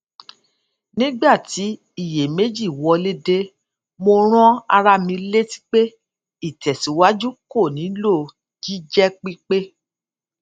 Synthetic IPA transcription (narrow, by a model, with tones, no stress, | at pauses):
nĩ˦ɡ͡ba˦˨ti˨˦ | i˦˨je˨me˨˦d͡ʒi˦˨wɔ˧le˦de˧˦ | mo˧ɾ̃ɔ̃˦a˧ɾa˧mĩ˧˦le˦ti̥˦k͡pe˦ | i˦˨tɛ˨si˨˦wa˦d͡ʒu˦ko˦˨nĩ˨˦lo˦˨ | d͡ʒi˦d͡ʒɛ˦k͡pi˦k͡pe˦